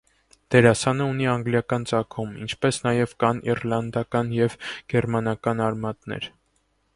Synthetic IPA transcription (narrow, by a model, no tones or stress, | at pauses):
d̪̥ɛɾɑsɑnəuniɑŋɡljɑkɑnt͡sɑkʰumḭnt͡ʃʰpɛsnɑjɛvkɑnḭrlɑnd̪ɑkɑnjɛvɡ̥ɛɾmɑnɑkɑnɑɾmɑt̪nɛ̰ɾ